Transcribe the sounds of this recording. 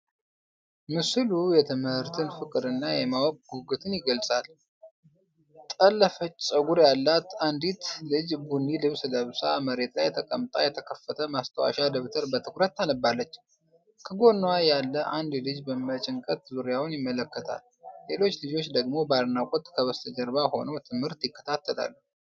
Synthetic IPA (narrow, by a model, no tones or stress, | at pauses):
mɨslujɛt̪ʰɨmhɨɾt̪ʰɨnfɨkʼɨd̪ɨnːajɛmawkɡuɡɨt̪ʰɨnjɪɡəlsʼal | t̪ʼəlːəfət͡ʃːsʼəɡuɾjalːat̪and̪it̪ʰlɨd͡ʒbunːilɨβsləβsaməɾe̞t̪lajːɛt̪ʰəkʼəmt̪ʼa̰jɛt̪ʰəkʰəfːət̪ʰəmast̪ʰəwa̰ʃad̪əβt̪ʰəɾbət̪ʰɨkɾət̪ːanəbːalːət͡ʃː | kʰəɡo̞nːwajalːəʔand̪lɨd͡ʒbəmət͡ʃʼɪŋkʼət̪zuɾjawʊnjɪmːələkːət̪ʰa̰lː | e̞lo̞t͡ʃːlɨd͡ʒo̞t͡ʃːd̪əɡmo̞baɾnakʼot̪ʼkʰəβəst̪ʰəd͡ʒəɾbaho̞̰nəwt̪ʰɨmhɨɾt̪jɪkːə̥t̪ʰat̪ʰːəla̰lːu